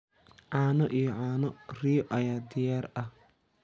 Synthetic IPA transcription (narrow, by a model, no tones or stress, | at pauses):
ʕɑːnɔʔijɔʕaːnɔrijɔʔɐjaːd̪ɪjaːrɐh